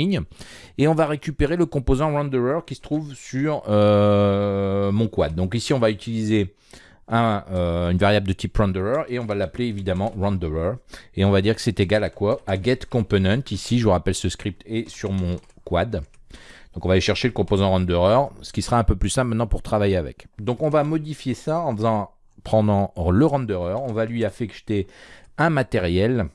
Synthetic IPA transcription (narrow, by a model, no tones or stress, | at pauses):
iɲeɔ̃vaʁekʲypeʁeləkɔ̃pozɑ̃ʁɑ̃d̪ɔʁœʁkʲisə̥t̪χuvsyʁø | mɔ̃kwad̪̚ːɔ̃k̬isiɔ̃vayt̪ilize | ɛ̃øynvaʁjabld̪ət̪ipʁɑ̃d̪øʁœʁeɔ̃valapleevid̪amɑ̃ʁɑ̃d̪øʁœʁeɔ̃vad̪iʁkə̥sɛt̪eɡalakwaːɡɛt̪kɔ̃ponɛ̃t̪isiʒəʁapɛlsəskχip̚t̪ɛsyʁmɔ̃ | kwad̪d̪̥ɔ̃kɔ̃valeʃɛʁʃeləkɔ̃pozɑ̃ʁɑ̃d̪øʁœʁsə̥kʲisəʁaɛ̃pøplysɛ̃pmɛt̪nɑ̃puʁt̪χavajeavɛ̰kd̪ɔ̃kɔ̃vamɔd̪ifjesaɑ̃fəzɑ̃ | pχɑ̃d̪ɑ̃ləʁɑ̃d̪øʁœʁɔ̃valɥiafɛkt̪eɛ̃mat̪eʁjɛl